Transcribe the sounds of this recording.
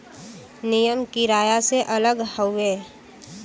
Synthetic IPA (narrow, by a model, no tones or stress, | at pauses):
nɪjəmkiɾaːjaseʔələɡhəʊeː